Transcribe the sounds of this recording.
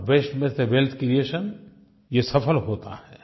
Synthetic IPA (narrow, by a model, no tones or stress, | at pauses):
ʋeːsʈmɪt̪eʋeːlt̪ʰkɾijeːʃən | jesɐpʰəlɦoːt̪a̰ɦɛ